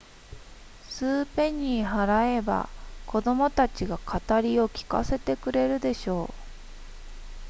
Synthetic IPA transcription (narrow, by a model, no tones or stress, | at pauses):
sɨːpẽ̞ɲ̟iɦaɾae̞ba̰kʰo̞d̪o̞mo̞t̪at͡ɕiɡakʰat̪aɾʲio̞kʲi̥ka̰se̞t̪e̞kɯ̟ɾe̞ɾɯ̟d̪e̞ɕo̞ː